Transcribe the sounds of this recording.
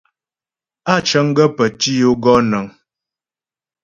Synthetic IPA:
a˦˨t͡ʃə˦ŋ˦ɡə˦pə˨ti˦jo˦ɡɔ˦nə˨ŋ

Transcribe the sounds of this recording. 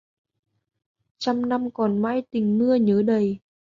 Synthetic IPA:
t͡ɕa˧mna˧mkɔ˨˩nma̰ː˧˥jt̪ï˨˩ŋ̟mɨ˧əɲəː˨˦ɗə˨˩j

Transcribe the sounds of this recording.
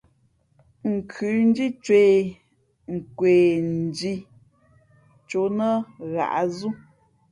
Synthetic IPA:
ŋ̩˨kʰʉ˨˦n̩˦di˦t͡ʃwe˨ | ŋ̩˨kwe˨n̩˨d͡ʒi˦ | t͡ʃo˨˦nə˦ɣa̰˨ʔa˦zu˦

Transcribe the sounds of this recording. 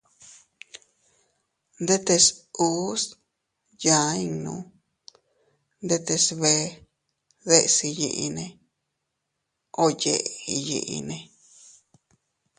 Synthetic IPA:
nd̪e˦t̪e˧su˦s | jã˨˦i˧ŋnũ˧˦ | nd̪e˦t̪e˧sβe˧˦ | ðe˦˧ʔsi˧jḭ˧ʔi˧nẽ˧ | o˧je˧˨ʔe˨i˧jḭ˧ʔḭ˧nẽ˧

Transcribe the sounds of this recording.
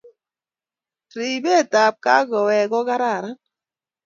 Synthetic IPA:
ɾi˨be˦˨ta˨p̚ka̰˦ɡɔ˨wɛ˨ɡɔ˦ɡa˦ɾa˦˨ɾa˦

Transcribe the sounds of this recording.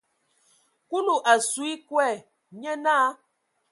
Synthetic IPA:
ku˦lu˨ʔa˨swi˦kwɛ˦˨ | ɲɛ˦naː˦

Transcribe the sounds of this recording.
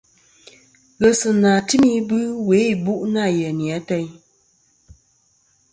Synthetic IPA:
ɣə˨sɨ˨na˨ti˦mi˦bɨ˦we˨˦˨bu˦ʔna˦˨jɛ˨ni˨a˨˦tɛ˦j

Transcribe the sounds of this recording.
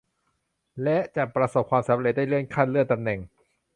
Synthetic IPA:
lɛ˦˥ʔt͡ɕa˨˩ʔpɾa˧so˨˩p̚kʰwaː˧msa˨˩˦mɾe˧˩da˥˩lɯ˥˩ənkʰa˥˩nlɯ˥˩ənt̪a˧mnɛ˨˩ŋ

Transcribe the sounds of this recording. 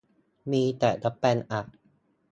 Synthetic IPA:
miː˧t̪ɛː˨˩da˦˥pːɛ˧nʔa˨˩k̚

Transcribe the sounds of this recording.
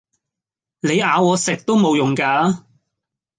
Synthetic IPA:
le˨˧jaː˨˧wɔː˨˧sɪ˨k̚t̪o˥wmo˨˧wjʊ˨˩ŋkaː˧˥

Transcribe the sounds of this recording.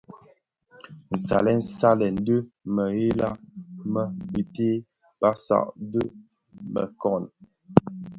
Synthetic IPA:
n̩˨sa̰˨lɛ˦n̩˦sa˦lɛ˨n̩˦də˦mə˨ɣe˦la˦mə˦˨bi˨te˦ | b̥a˦sa̰˨ʔdə˦ | mə̰˨kɔ˦˨n

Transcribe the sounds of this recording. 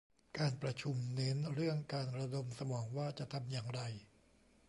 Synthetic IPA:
kaː˧npɾa˧t͡ɕʰu˧mne˦˥nɾɯ˥˩əŋkaː˧nɾa˧do˧msa˧mɔː˩˦ŋwaː˥˩t͡ɕa˨˩ʔt̪ʰa˧mjaː˨˩ŋɾa˧j

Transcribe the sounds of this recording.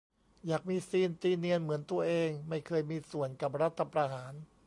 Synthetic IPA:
jaː˨˩k̚miː˧siː˧nt̪iː˧ni˧ənmɯ˩˦ənt̪u˧ɐʔeː˧ŋma˥˩jkʰɤː˧jmiː˧su˨˩ənka˨˩p̚ɾa˦˥t̪ʰːa˧pɾaː˧ɦaː˩˦n

